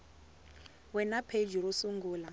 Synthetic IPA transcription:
wɛnapʰed͡ʒuɾusuŋɡuːla

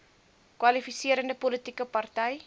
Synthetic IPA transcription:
kwɐlifisiəɾəndəpolətikəpɐrtɛj

